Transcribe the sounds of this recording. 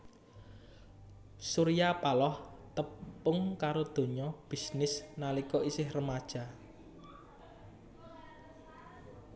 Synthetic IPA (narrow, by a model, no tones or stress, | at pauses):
suɾijapalɔht̪əpːʊŋkaɾod̪̥o̤ɲɔb̥i̤snɪsnalikɔʔisɪhrəmad̥ʒ̥a̤